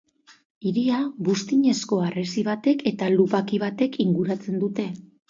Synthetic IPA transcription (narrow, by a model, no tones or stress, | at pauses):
iɾiaβust̪iɲe̞sko̞aresiβ̞at̪e̞ke̞t̪alupakiβat̪e̞kʰiŋɡuɾat͡se̞nd̪ut̪e̞